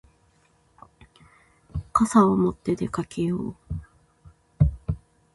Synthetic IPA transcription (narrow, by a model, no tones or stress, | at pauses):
kasaomo̞t̪ːe̞d̪e̞kakʰe̞joː